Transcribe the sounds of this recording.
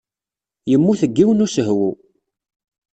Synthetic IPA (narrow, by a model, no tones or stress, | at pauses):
jəmːuθəɡːiwənusəɦwu